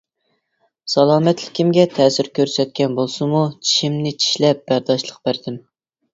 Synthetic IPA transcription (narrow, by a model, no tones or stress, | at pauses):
sɑlˠɑːmɛt̪lɪ̥kʲʰimɡʲɛt̪ʰɛːsɪɾkʲøɾsɛt̪̚kʲɛnbolˠsɨmut͡ʃʰi̥ʃimnɪt͡ʃʰi̥ʃlɛp̚b̥æɾd̪ɑʃlˠəq̚b̥æɾd̪ɪm